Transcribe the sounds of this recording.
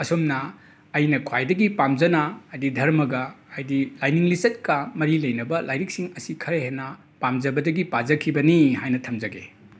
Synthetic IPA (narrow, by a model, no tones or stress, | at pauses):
ɐsomnɐː | jnɐkʰwajdɐɡipamd͡ʒɐnɐːjdidʱɐɾmɐɡɐːjdilajniŋlisɐt̚kɐmɐɾilɐjnɐbɐlʔajɾik̚siŋɐsikʰɐɾeɦenːɐ | pamd͡ʒɐbɐdɐɡipad͡ʒɐkʰibɐnihajnɐtʰɐmd͡ʒɐɡḛ